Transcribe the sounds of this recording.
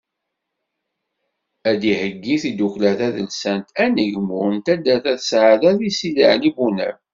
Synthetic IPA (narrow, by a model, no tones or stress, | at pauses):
æd̪ihəɡːiθid̪uklæθæðəlsænt̪æniʝəmʊɾənt̪æd̪æθæθəsʕaðæθisilə̰ʕlibunæ̰ɾ